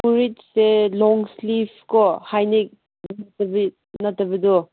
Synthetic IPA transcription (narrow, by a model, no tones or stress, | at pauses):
puɾid͡ʒselɔŋslipʰkɔhajnik̚ | ntɐbi | nɐtːɐbidɔ